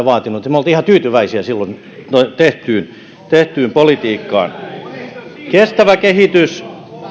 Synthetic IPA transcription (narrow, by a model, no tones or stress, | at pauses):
ʋɑːt̪inut̪imolt̪iihɑt̪yːt̪yʋæisiæsilːon | ot̪eht̪yːn | t̪eht̪yːmpolit̪iːkːɑ̰ːn | kest̪æʋækehit̪ys